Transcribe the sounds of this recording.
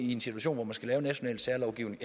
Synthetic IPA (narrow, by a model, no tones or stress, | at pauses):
ie̝nsi̥uæɕo̝̰ːnʋɒmænsɡ̥ælɛːʊnæɕo̝nɛ̰ːld̥sæɐlɒʊɡ̥ḭʊne̝ŋ